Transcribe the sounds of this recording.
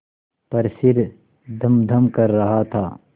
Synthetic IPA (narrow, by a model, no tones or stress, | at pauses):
pɐɾsɪɾ | d̪ʱɐmd̪ʱəmkɐɾːɐɦat̪ʰaː